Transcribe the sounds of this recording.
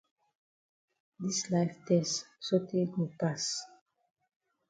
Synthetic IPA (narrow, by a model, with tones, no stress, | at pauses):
di˦slajftɛsso˦te˦ɡo˨pas